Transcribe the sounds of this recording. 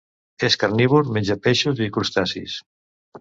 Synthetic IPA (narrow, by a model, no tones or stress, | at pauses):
eskaɾniβuɾmenʲd͡ʒapeʃuzikuɾst̪asḭs